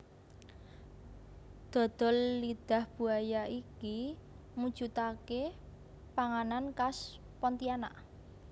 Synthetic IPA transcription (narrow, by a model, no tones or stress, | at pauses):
d̪̥ɔ̤d̪̥ɔ̤lːid̪̥a̤hb̥ṳajaiki | mu̥ʒ̥ut̪ake | paŋanankas | pɔnt̪iana̰ʔ